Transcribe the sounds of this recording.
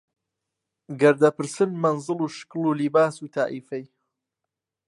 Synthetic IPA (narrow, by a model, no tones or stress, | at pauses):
ɡɐɾd̪ɐpɨɾsɨnmɐnzɨlˠuːʃɨ̥kluːlibaːsuːt̪ʰaːʔiːfɛj